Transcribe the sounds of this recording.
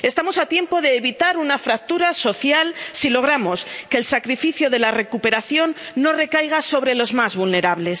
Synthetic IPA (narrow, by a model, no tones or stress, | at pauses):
e̞st̪amo̞sat̪je̞mpo̞ðe̞ːβit̪aɾunafɾak̚t̪uɾaso̞θjalsilo̞ɣ̞ɾamo̞ske̞ːlsakɾifiθjoðe̞lare̞kupe̞ɾaθjo̞nːo̞re̞kajɣ̞aso̞β̞ɾe̞lo̞zmazβulne̞ɾaβle̞s